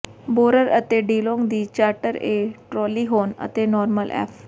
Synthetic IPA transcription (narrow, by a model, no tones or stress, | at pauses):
boːɾəɾət̪eɖiːlõːŋɡd̪iːt͡ʃaːɾʈəɾeːʈɾɔːliɦoːnə̰t̪enɔːɾməlʔɛ̰ːpʰ